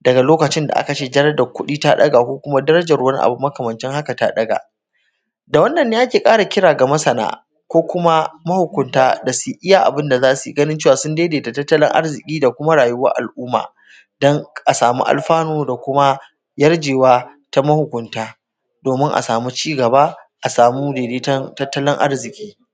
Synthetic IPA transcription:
dɐ˨ɡa˨loː˦kɐ˨t͡ʃɪ˦nda̰˨ʔa̰˦kɐ˨t͡ʃeː˦d͡ʒɐ˦ɾɐ˦da˨kʷʊ˦ɗiː˦ta˦ɗɐ̰˦ɡaː˨kʷoː˦kʷʊ˦ma˦dɐ˦ɾɐ˦d͡ʒɐ˨rwɐ˦ni˦ʔa̰˨bu˨˦mːɐ˦kɐ˨mɐ˨nt͡ʃɪ˦ŋha˦ka˨ta˦ɗɐ˦ɡa̰ː˨ | da˨wɐ˦nːɐ˨nːeː˦ʔa˦kʲeː˨kʼaː˦ɽa˨kʲɪ˦ɽaː˨ɡa˨mɐ˦sɐ˨na̰ː˦˨ | kʷoː˦kʷʊ˦ma˦mɐ˦hʊ˨kʷʊ˨ntaː˦da˨su˨ʔɪ˦jaː˦˨ʔa̰˨bɪ˦nda˨zaː˦su˨ɡɐ˦nɪ˦nt͡ʃeː˦˨wa˨sʊ˦ndeː˦deː˨ta˨tɐ˦tːɐ˦lɪ̰˦ŋʔa̰˦rzɪ˨kʲʼiː˦da˨kʷʊ˦ma˦ɽaː˨jʊ˦wa̰˦ʔa̰˨lʔuː˦ma̰ː˨ | dɔ˦ŋʔa˨saː˨mṵ˦ʔa̰˨lɸaː˦noː˦da˨kʷʊ˦ma˦ | jɐ˦rd͡ʒeː˨waː˦ta˦mɐ˦hʊ˨kʷʊ˨ntaː˦ | doː˨mɪ˦ŋʔa̰˨saː˨mu˦t͡ʃiː˦ɡɐ˨ba˦ʔa˨saː˨mu˦deː˨deː˦tɐ˦ntɐ˦tːɐ˦lɪ˦ŋʔa̰˦rzɪ˨kʲʼiː˦

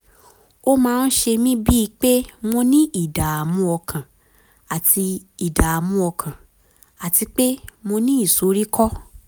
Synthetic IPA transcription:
o˦mãː˦˧˦n̩˦ʃe˧mĩ˦bi˦˧k͡pe˦mõ˧nĩ˦i˨da˨a˨mũ˦ɔ˧kʰã˨ | a˨tʰi˧i˨da˨a˨mũ˦ɔ˧kʰã˨ | a˨ti˧k͡pe˦mõ˧nĩ˦i˦˨so˨˦ɾi˦kʰɔ˦

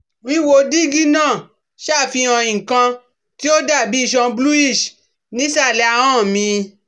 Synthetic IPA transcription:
wĩ˦wo˧di˦ɡi˦nã˦˨ | ʃa˦˨fĩ˧ã˧ĩ˨kã˧ | ti˦o˦da˦˨bi˨˦i˦˧˨ʃ̬ɔ̃˧blu˦i˦˨ʃ | nĩ˨˦sa˦˨lɛ˧a˧˨ã˦˨mĩ˧

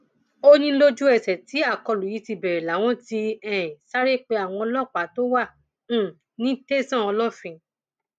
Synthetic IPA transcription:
o˦nĩ˧˦lo˦d͡ʒu˦ɛ˦˨sɛ˨ti˨˦a˦˨kɔ˧lu˨ji˨˧˦ti˧bɛ˨ɾɛ˨la˨˦w̃ɔ̃˦ti˧ɛ̃˨sa˦ɾe˦˨k͡pe˧a˨w̃ɔ̃˧ɔ˧lɔ˦˨k͡pa˨˦to˦wã˦˨˦ | nĩ˦te˦sã˦˨ɔ˧lɔ˦˨fĩ˧

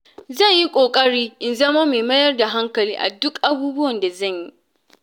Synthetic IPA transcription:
zɐ˦˨ɲji˦kʷʼoː˨kʼɐ˦ɽiː˦ʔɪ˨nzɐ˦ma˦meː˨mɐ˦jɐ˦rda˨ɦa˦ŋkɐ˨liː˦ʔa̰˨dʊ˦kʔa˦buː˦bʊ˦wɐ˨nda˨zɐ˦˨ɲji˦

